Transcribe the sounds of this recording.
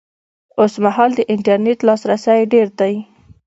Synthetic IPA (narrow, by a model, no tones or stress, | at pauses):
osmaɦɑld̪əʔɪɳʈaɾnet̪lɑsɾasajɖeɾd̪aj